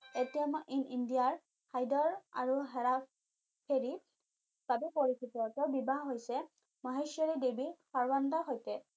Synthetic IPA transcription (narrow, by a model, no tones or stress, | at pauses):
etijamɔʔinindijaɹ | hajdɔɹa̰ɹuɦɛɹa | pʰeɹi | pabipoɹikʰitɔɔtɔbibaɦɦojsɛ | maɦeʃjɔɹidebixaɹwandɔɦojtɛ